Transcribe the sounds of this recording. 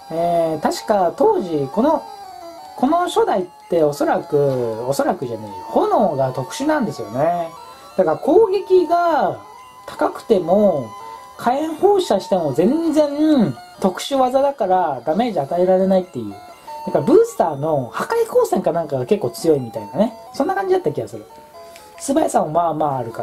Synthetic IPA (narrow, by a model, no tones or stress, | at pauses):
eːt̪aɕi̥kat̪o̞ːʑiko̞no̞ | ko̞no̞ɕo̞d̪ait̪ːe̞o̞so̞ɾakɯ̟o̞so̞ɾakɯ̟ʑanaiho̞no̞ːɡat̪o̞kɯ̟̥ɕɨnãnd̪e̞sɨjo̞̰ne̞ | d̪̥akaɾako̞ːɡʲe̞kʲiɡa | t̪ʰḁkakɯ̟̥t̪e̞mo̞ | kʰaẽɰ̃ho̞ːɕaɕi̥t̪e̞mo̞zẽ̞nzẽ̞nt̪o̞kɯ̟̥ɕɨβazad̪akaɾad̪ame̞ːʑiat̪ae̞ɾaɾe̞nait̪ːe̞jɯ̟ː | naŋkabɯ̟ːsɨ̥t̪aːno̞hakaiko̞ːsẽ̞ŋkanãŋkaɡake̞kːo̞ːt͡sɨjo̞imʲit̪a̰inane̞ | sõ̞nːakãɲ̟d͡ʑid̪at̪ːakʲiβaseɾe | sɨbajasãɰ̃omaːmaːɾɯ̟ka